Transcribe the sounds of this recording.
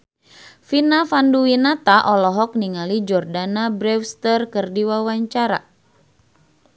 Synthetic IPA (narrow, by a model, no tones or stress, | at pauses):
finafanduwinat̪aʔɔlɔɦɔk̚niŋalid͡ʒɔrdanabɾɛfst̪ərkərdiwawaɲt͡ʃaɾa̰